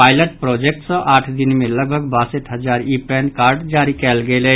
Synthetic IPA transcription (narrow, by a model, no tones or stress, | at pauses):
paːɪləʈpɾoːd͡ʒek̚ʈsə̃ʔaːʈʰd̪ɪnmẽləɡ̚bʱəɡbaːsəʈʰɦəd͡ʒaːɾipɛːnkaːɾɖd͡ʒaːɾikɛːlɡeːlɛ